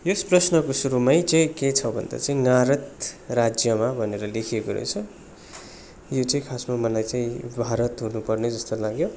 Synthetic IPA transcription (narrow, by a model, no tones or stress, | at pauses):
josprʌsnʌkosuɾumajd͡zeket͡sʰʌbʱʌ̰nd̪a̰t͡saĩŋaɾʌt̪rad͡zjʌmabʱʌneɾʌlekʰijekoɾʌ̰jt͡sʰʌ | jot͡saĩkʰasmamʌnlajt͡saĩbʱaɾʌt̪ɦunupʌrned͡zʌst̪olaɡjo